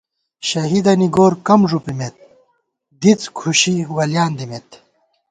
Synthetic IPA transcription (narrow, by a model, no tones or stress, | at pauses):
ɕɐɦid̪ɐniɡoːɾkɐmʐupimet̪̚ | d̪it͡skʰuɕiwɐljaːnd̪imet̪